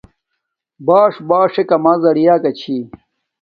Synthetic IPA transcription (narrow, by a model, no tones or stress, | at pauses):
baːʂbaːʂekɐmazɐɽijaːkɐt͡ɕʰi